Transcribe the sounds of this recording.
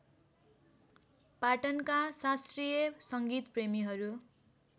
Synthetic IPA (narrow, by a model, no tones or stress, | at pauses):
paʈʌnkasasrijʌsʌŋɡit̪premiɦʌɾu